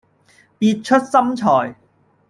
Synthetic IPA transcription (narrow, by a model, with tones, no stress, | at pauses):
piː˧t̚t͡ʃʰɵ˥t̚sɐ˥mt͡ʃʰɔː˨˩j